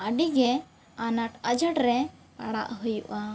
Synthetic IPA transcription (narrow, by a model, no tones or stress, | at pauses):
aɖiɡɛ | anaʈəd͡ʒəʈɾɛ | a̰ɽa̰ʔɦəjuʔa